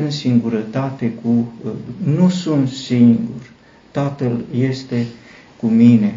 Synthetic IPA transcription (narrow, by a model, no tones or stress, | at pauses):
ɨnsiŋɡuɾət̪at̪e̞ku | nusunt̪siŋɡur | t̪at̪əlje̞st̪e̞ | kumine̞